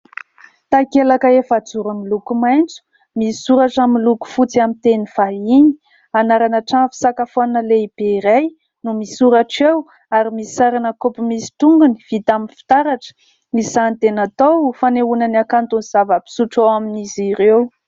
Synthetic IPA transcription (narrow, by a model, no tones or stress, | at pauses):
t̪akelakəefad͡zuɾamilukumajnt͡su̥ | misuɾaʈ͡ʂamiluku̥fut͡siamint̪eniv̥aiɲi̥ | anaɾanaʈ͡ʂanfi̥sakafonəleib̥eiɾaj | numisuɾaʈ͡ʂew | aɾimisiaɾanəkopumisi̥t̪uŋɡuniv̥it̪aminfi̥t̪aɾaʈ͡ʂə̥ | miz̥ant̪enat̪owfaneunanakant̪uniz̥avəpi̥suʈ͡ʂawaminiziɾew